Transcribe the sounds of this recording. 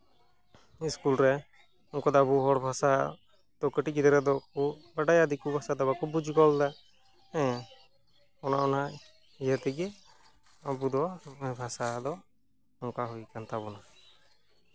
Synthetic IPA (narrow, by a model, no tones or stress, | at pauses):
iskulɾɛ | ɔŋkɔd̪ɔabuɦɔɽbʱasa | t̪ɔkəʈikid̪ɛɾɛd̪ɔkɔbaɖajad̪ikubʱasad̪ɛbakɔbud͡ʒʱkɔld̪a | ɛ̃ | ɔnaɔna | ijat̪iɡɛ | abud̪ɔbʱasad̪ɔ | ɔŋkaɦujkant̪abɔna